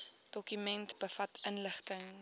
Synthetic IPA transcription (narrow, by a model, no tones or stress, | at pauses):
d̥ɔkymɛntb̥əfɐtənləχtəŋ